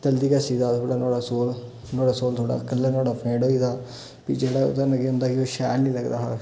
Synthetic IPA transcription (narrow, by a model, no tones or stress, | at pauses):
t̪əld̪iːkaːsiːd̪aːt̪ʰoːɽaːnoːɽaːsoːl | noːɽaːsoːlt̪ʰoːɽa̰ːkəlːẽːnoːɽaːpʰẽːɖɦoːiːd̪aː | pḭːd͡ʒeːɽaːo̰t̪anəɡeːɦʊ̃nd̪aːkioːʃɛ̰ːɾnĩːləɡd̪aːɦa̰ː